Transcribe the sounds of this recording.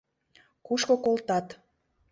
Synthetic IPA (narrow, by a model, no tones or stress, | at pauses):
kuʃkokolt̪ɑt̪